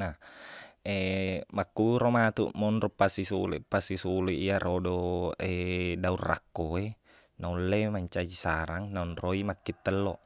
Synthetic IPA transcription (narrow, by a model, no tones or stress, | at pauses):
na | emakːuɾomat̪ṵʔmonropːasisulḛpːasisuleʔiaɾʔodoedaurːa̰kːoe | naulːemaɲt͡ʃad͡ʒisaɾaŋnaunroimakːit̪ːɛlːoʔ